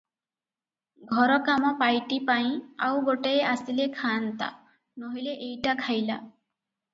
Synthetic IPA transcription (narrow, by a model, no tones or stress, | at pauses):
ɡʱɔɾɔkamɔpajʈipaĩawɡoʈeeasilekʰaːnt̪a̰ | nɔɦileʔejʈakʰajla̰